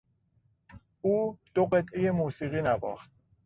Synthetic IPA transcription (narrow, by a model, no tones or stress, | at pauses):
uːd̪̥oɢe̞t̪ʰʔejemuːsiːɣiːnæbɒ̰ːxt̪̚